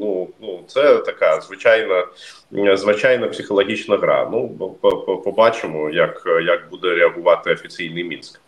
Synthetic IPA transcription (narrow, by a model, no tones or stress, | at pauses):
nunut̪sɛt̪ɐkɑzʋɪt͡ʃɑjnɐ | zʋɪt͡ʃɑjnɐpsʲɪxɔlˠɔɦʲit͡ʃnɐɦɾɑ̰nupɔpɔpɔbɑt͡ʃɪmɔjɐkjɐk̚bud̪ɛɾeɐɦʊʋɑt̪ɪɔfʲit͡sʲijnɪjmʲinsk